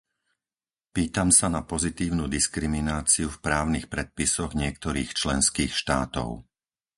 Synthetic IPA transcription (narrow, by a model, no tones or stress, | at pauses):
piːt̪amsanapɔzit̪iːʊnud̪iskɾiminaːt͡siufpɾaːʊnixpɾɛt̪̚pisɔɣɲɪɛk̚t̪ɔɾiːxt͡ʃlɛnskiːxʃt̪a̰ːt̪ɔ̰ʊ